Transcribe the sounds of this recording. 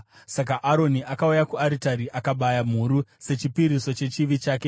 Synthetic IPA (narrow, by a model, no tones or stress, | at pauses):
sak̬aʔaɾo̞niʔakaujakuaɾitaɾiʔakaɓajam̤uɾuse̞t͡ʃipiɾiso̞t͡ʃe̞t͡ʃiʋit͡ʃaːke̞